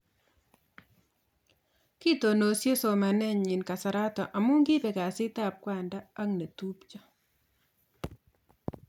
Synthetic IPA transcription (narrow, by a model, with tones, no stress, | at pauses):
ki˦to˨no˨sje˦so˨ma˨nɛ˦˨ɲi˨nka˨sa˨ɾa˦tɔ˨ʔa˨mʊ˦ŋɡɪ˦pɛ˨ka˨sɪ˦ta˨p̚kwa˨nda˦a˦ŋne˨tu˦pt͡ʃɔ˦